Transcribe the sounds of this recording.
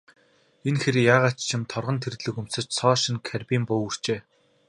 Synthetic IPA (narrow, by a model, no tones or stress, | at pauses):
enxeɾʲijaːʁaːt͡ɕt͡ɕʰɪ̆mt̪ʰɔrʁɞ̆nt̪ʰert̪ɮɘ̆kum̥sɘ̆t͡ɕsɔːʃĭnkʰærpʲiːmpʊːur̥t͡ɕeː